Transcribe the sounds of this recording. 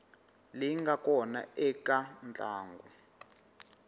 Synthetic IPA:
liŋɡakɔna̰ɛkʼant͡ɬʼaːŋɡu

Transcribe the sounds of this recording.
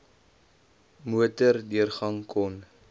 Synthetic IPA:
muətərdiərχɐŋkʰɔn

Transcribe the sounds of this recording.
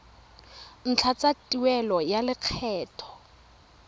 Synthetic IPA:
n̩t͡ɬʰat͡satʼiwɛlɔjalɪq͡χʰɛːtʰɔ̥

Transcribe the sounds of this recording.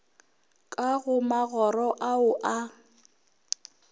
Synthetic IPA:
kʼaɣʊmaɣɔrɔʔaʊʔa

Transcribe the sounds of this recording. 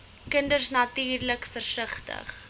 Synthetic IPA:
kəndərsnɐtiːrləkfərsəχtə̰χ

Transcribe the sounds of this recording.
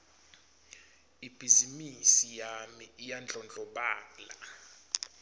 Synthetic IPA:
ib̥ʱizimisijamiːjand͡ɮʱɔnd͡ɮʱɔɓaːla

